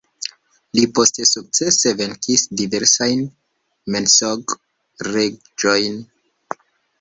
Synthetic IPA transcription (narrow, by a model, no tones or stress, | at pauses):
lipo̞ste̞suk̚t͡se̞se̞ve̞ŋkʰisdive̞ɾsajn | mensoɡ | re̞ | d͡ʒo̞jn